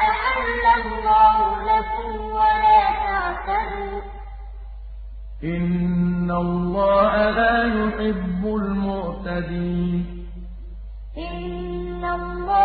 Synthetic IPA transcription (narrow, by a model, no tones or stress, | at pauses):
ɪʕalːalːɑːhʊlakʊmwalaːt̪aʕtaɾuː | ʔɪnːalːɑːhalaːjʊħɪbːʊlmʊʕt̪ad̪iːn | ʔɪnːalˤːɑː